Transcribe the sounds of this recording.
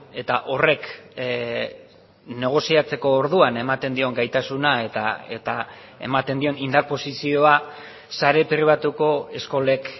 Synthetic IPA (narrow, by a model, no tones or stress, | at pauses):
e̞t̪aʔo̞re̞k | ne̞ɣ̞o̞siat͡se̞ko̞ːɾðuane̞mat̪e̞nd̪io̞ŋɡajt̪asunaet̪a̰ḛt̪a | e̞̰mat̪e̞nd̪io̞nind̪aɾpo̞sisio̞a | saɾe̞pɾiβ̞at̪uko̞e̞sko̞le̞k